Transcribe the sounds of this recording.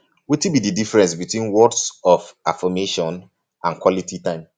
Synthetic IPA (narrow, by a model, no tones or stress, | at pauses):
witibididifɛɹɛ̃nsbitwĩnwɔdsɔfafɔmeʃɔ̃n | ãnkwɔlitʰitãɪ̃m